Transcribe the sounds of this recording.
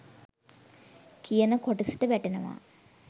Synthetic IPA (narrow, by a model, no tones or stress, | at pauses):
kʰijənəkoʈisi̥ʈəʋæʈenəʋa̰